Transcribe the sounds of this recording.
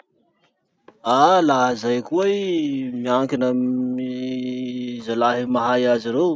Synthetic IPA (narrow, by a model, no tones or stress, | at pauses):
alaɦəzajkuejmiaŋkinəmi | zalaɦimaɦajaziɾew